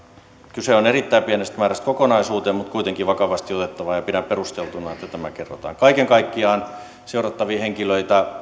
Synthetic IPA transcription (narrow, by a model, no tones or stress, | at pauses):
kyseonerit̪ːæipienest̪mæːræst̪kokonɑisuːt̪eːmut̪kuit̪eŋkiʋɑkɑʋɑst̪iot̪et̪ːɑʋɑjɑpinæperust̪elt̪unɑet̪ːæt̪æmækerːo̰t̪ɑ̰ːŋkɑikeŋkɑikːiɑːn | seurɑt̪ːɑʋiːheŋkiløit̪æ